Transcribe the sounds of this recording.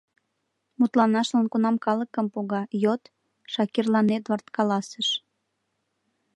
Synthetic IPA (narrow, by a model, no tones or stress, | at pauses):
mut̪lɑnɑʃlɑnkunɑmkɑləkəmpoɣɑjot̪ | ʃɑkirlɑnet̪βərt̪kɑlɑsəʃ